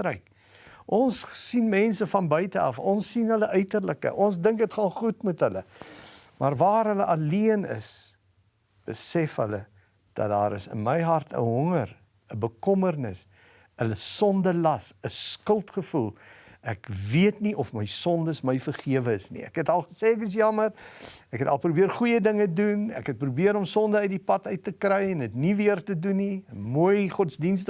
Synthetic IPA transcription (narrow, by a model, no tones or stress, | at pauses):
ɾɛjk | ʔɔnssinmɛnsəfɐnbœɥtəɐ̰fɔnsːinɦələʔœɥtərləkə̰ʔɔnsdəŋkətχɑːnχutmutɦələ | mɐrvɑːɾɦələʔɐliənə̰s | b̥əsɛfɦələ | d̥ɐ̰t̚dɑːɾəsə̰nməjɦɐrtʰə̰ɦɔŋər | əbəkɔmərnəs | ələsɔndəlɐsəskəlˠtχəfulˠækviətniʔɔfməjsɔndəsməjfərχiəvəəsnḭæ̰kɦɛtɐlˠχə̥seːɛkəs̬jɐmərækɛtɐlˠpɾubiərχujədəŋədunæ̰kɦɛt̚prubiəɾɔmsɔndəəjdipɐtœɥtːəkɾɛjɛnətniviərtəduniəmuəjχɔtsdinstə